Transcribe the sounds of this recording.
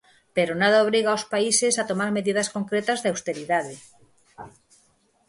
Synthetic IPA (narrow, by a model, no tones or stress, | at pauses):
peɾonaðaoβɾiɣaospaisesat̪omaɾmeðiðɐskoŋkɾet̪azðawst̪eɾiðaðe